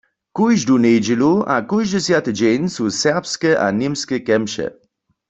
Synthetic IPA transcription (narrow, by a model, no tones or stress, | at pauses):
kujʒdunejd͡ʒilua̰kujʒdɛsjat̪əd͡ʑɛjnsusɛʁpskəʔa̰nimskəkɛmʃɛ̰